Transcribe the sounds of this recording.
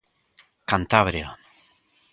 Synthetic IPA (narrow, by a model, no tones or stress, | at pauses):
kant̪aβɾja